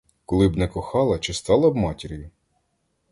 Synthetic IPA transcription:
kɔlˠɪbnɛkɔxɑlˠɐt͡ʃɪst̪ɑlˠɐbmɑtʲɪɾʲjʊ

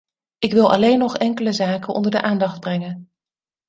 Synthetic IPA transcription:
ɪkʋɪlˠʔɑ̰lejnːɔχɛŋkələzaːkənʔɔ̰ndəɹdəʔaːndɑχd̚brɛŋən

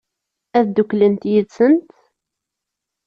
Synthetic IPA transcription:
æðd̪uklənt̪jəðsənt̪

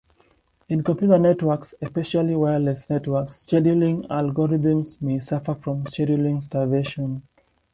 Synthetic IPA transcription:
ĩnkɔ̃mpʰjutənɛtwəksɛspɛʃaliwɛlɛsnɛtwəkst͡ʃɛdjulĩŋa̰lɡɔɹiðə̃msmesafəfɹɔ̃msɛdulĩŋs̬taveʃɔ̃n

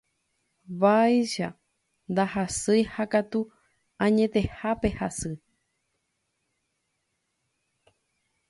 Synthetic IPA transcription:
βajʃa | nd̪ahasɨjhakat̪u | ãɲẽ̞t̪e̞hape̞hasɨ

